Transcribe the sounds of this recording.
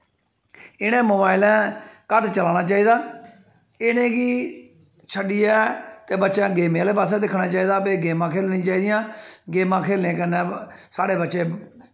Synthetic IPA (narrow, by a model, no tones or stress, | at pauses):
ɪnẽːmoːbaːɪlɛ̃ːkəʈt͡ʃəlaːnaːt͡ʃaːiːd̪aː | ɪnẽːɡiː | t͡ʃʰəɖiːɛːt̪eːbətːʃãːɡeːmẽleːpaːsɛːd̪ɪkʰɽaːt͡ʃaːiːd̪aːpeːɡeːmãːkʰeːlnĩːt͡ʃaːiːd̪ɪjãːɡeːmãːkʰeːlnẽːkənɛ̃ːsaːɽeːbətːʃeː